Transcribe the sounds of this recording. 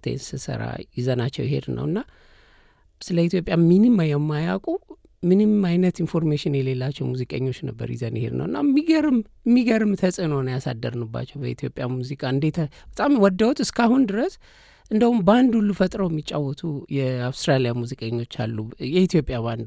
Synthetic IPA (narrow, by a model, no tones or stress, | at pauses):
t̪ʰḛnsɨsɨ̰ɾa̰jɪzənat͡ʃːɛwjɪhe̞̰d̪nə̰wɨnːa | sɨləit̪ʰjo̞pʼjaminimajɛmːajakʼu | mɨnɨmajnət̪info̞ɾmeʃɪnjɛle̞lːat͡ʃːɛwmuzikʼə̰ɲːo̞t͡ʃːnəbːə̰ɾjɪ̰zənjɪhḛd̪nə̰wɨnːa̰mːiɡəɾɨm | mːiɡəɾɨmt̪ʰəsʼɨnownəjasad̪ːəɾnɨbːa̰t͡ʃːɛwbəit̪ʰjo̞pʼjamuzikʼaɨnd̪e̞t̪ʰbət̪ʼamwɔd̪ːəwt̪ɨskʰahund̪ɨɾəs | ʔɨnd̪əhumband̪ulːufət̪ʼɾəwjmːit͡ʃʼːawɔt̪ʰujɛawst̪ɾalijamuzikʼəɲːo̞t͡ʃːalːujɛit̪ʰjo̞pʼjaband̪